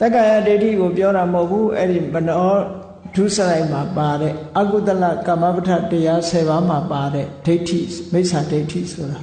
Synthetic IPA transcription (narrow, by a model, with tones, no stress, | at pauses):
t̪ɛ˦kã˨ja˦˨de˦ɪtʰḭ˦˨ɡo˨pjɔ˦ɾa˨mho˦ʊpʰːu˦ʔɛ̰˦ɾi˨mə˨nɔ˦ | d̥u˦˨səɾa˦ɪʔma˨pa˨ɾɛ̰˦˨ʔa˦ku˦˨t̪əla̰˦˨kã˨ma˦pətʰa̰˦˨təja˦sʰɛ˨βã˨˦ma˨pa˨ɾɛ̰˦˨d̥e˦ɪtʰḭ˦˨me˦ɪʔsa˨de˦ɪtʰḭ˦˨sʰo˨ɾa˨